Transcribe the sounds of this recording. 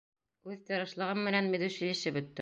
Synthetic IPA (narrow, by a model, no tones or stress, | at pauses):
ʉðt̪ɤ̆ɾɤ̆ʃlˠɤ̆ʁɤmːɘ̆nænmɘ̆ðʉʃɘjɘ̆ʃɘbɵ̆t̪ːɘ